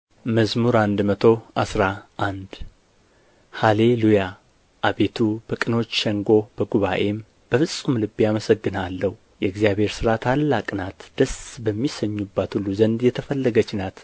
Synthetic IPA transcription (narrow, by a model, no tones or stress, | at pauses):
məzmuɾand̪mət̪ʰo̞ʔasɾaʔand̪ | hale̞luja | ʔaβe̞t̪ʰub̥əkʼɨno̞t͡ʃːʃɛŋɡo̞bəɡuβaʔe̞m | b̥əfɨsʼːumlɨbːijaməsəɡːɨnalːəhu | jɛɨɡzijaβe̞ɾsɨɾat̪ʰalːakʼnat̪d̪̥əsbəmːisəɲːubːat̪hulːuzənd̪jɛt̪ʰəfəlːəɡət͡ʃːnat̪